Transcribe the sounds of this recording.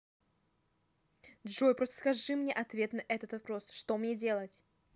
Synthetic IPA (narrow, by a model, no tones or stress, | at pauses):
dʐojpɾo̞st̪ə̥skɐʐɨmnʲeʔɐt̪vʲe̞t̪nɐʔɛt̪ət̪vɐpɾo̞sʂt̪o̞mnʲedʲe̞lˠətʲ